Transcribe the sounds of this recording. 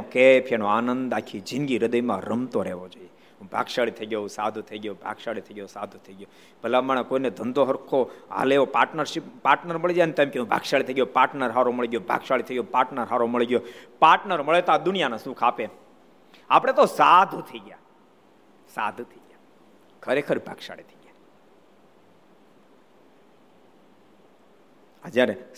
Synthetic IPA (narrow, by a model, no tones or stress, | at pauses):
kepʰenoanənd̪akʰid͡ʒɪ̃nɡiɾəd̪əjmãɾəmt̪oɾɛ̰ʋod͡ʒoije | ɦũbʱa̰ɡʃaɭit̪ʰəiɡjoũsad̪ʱut̪ʰəiɡjobʱa̰ɡʃaɭit̪ʰəiɡjosad̪ʱũt̪ʰəiɡjo | b̥ʱəlamaɳ̃akoined̪ʱənd̪ʱoɦəɾkʰoa̰leopaːɾʈnəɾʃipaːɾʈnəɾməɭid͡ʒanet̪ẽmkeɦũbʱa̰ɡʃaɭit̪ʰəiɡjopaːɾʈnəɾɦaɾoməɭiɡjobʱa̰ɡʃaɭit̪ʰəiɡjopaːɾʈnəɾɦaɾoməɭiɡjopaɾʈnəɾməɭet̪ad̪ʊnijanasũkʰape | apɽ̃et̪osad̪ʱt̪ʰəiɡja̰ | sa̰d̪ʱt̪ʰəiɡja | kʰəɾekʰəɾbʱa̰ɡʃa̰ɭet̪ʰəiɡja | ad͡ʒaɾe